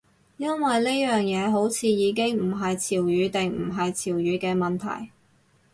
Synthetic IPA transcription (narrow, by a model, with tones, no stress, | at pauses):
jɐ˥nwɐ˨jle˥jjœː˨ŋjɛː˨˧ɦo˨˥wt͡sʰiː˨˧jiː˨˧k̬ɪ˥ŋm̩˨˩ɦɐ˨jt͡sʰiː˨˩wjyː˨˧t̪e˨ŋm̩˨˩ɦɐ˨jt͡sʰiː˨˩wjyː˨˧kɛː˧mɐ˨nt̪ʰɐ̰˨˩j